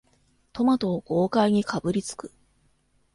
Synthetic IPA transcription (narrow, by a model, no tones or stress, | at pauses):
t̪o̞mat̪o̞ːɡo̞ːkaiɲ̟ikʰabɯ̟ɾʲit͡sɨ̥kɯ̥